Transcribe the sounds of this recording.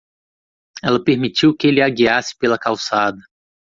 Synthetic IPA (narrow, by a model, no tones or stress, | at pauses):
ɛlɐpeɾmit͡ʃiwkɪelɪaɡiasɪ̥pelɐkawsad̪ɐ